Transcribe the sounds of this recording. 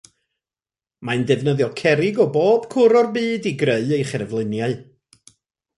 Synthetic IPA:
maɨndɛvnəðjɔkʰɛɾɪɡɔboːb̥kʰʊɾɔrbɨːdiɡreɨejχɛrvlˠɪnjaɨ

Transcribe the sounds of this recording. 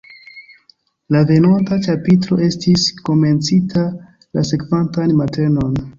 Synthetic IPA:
lave̞nontat͡ʃapitɾo̞̰ʔe̞stisko̞me̞nt͡sitʰa | la̰se̞kvantanmate̞no̞n

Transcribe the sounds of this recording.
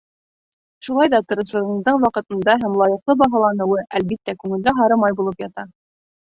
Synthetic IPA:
ʃulˠɑjðɑt̪ŏɾɤ̆ʃɤ̆ɾɤ̆ɴɤ̆zd̪ɤɴwɑqɤ̆t̪ɤ̆nd̪ɑɦæmlˠɑjɤ̆qlˠɤbɑɦɑlˠɑnɤ̆wɤʔælβit̪ːækʉŋɘ̆lɡ̪æɦɑɾɤmɑjbulˠɤpjɑt̪ɑ

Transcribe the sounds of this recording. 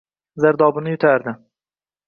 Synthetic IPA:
zaɾd̪ɒbɪnɪjʊt̪ʰaɾd̪ɪ

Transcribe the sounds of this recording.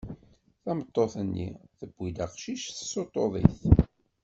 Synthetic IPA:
θɑmət̪ˤːoθənːḭθəbːid̪aqʃiʃθə̥sot̪ˤːoðˤḭθ

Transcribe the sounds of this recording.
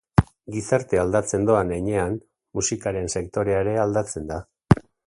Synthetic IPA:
ɡisaɾt̪eald̪at͡se̞nd̪oanejɲe̞an | musikaɾe̞nse̞kt̪o̞ɾe̞aeɾe̞ald̪at͡se̞nd̪a

